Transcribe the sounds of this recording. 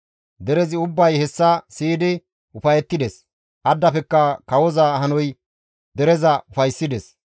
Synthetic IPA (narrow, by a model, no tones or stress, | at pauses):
d̪ɛɾɛzɪʊbːɐjhɛsːɐsiːd̪ɪ | ʔʊfɐjɛt̪ːɪd̪ɛs | ʔɐd̪ːɐpɛkːɐkɐwɔzɐhɐnɔj | d̪ɛɾɛzɐʊfɐjsːɪd̪ɛs